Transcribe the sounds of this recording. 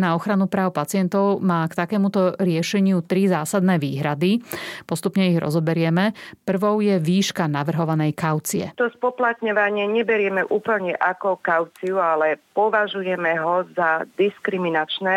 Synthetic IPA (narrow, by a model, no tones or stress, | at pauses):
naɔxɾanupɾaːʊpat͡sɪɛnt̪ɔʊmaːkt̪akɛːmut̪ɔɾɪɛʃɛɲɪut̪ɾizaːsad̪nɛːʋiːɦɾad̪ipɔst̪upɲɛiɣɾɔ̰zɔbɛɾɪɛmɛpr̩ʋɔʊjɛʋiːʃkanaʋr̩ɦɔʋanɛjkaʊt͡siɛ̰t̪ɔspɔplat̪ɲɔʋaɲɪɛɲɛbɛɾɪɛmɛʔuːpl̩ɲɛʔakɔkaʊt͡siualɛpɔʋaʒujɛmɛɦɔzad̪iskɾiminat͡ʃnɛː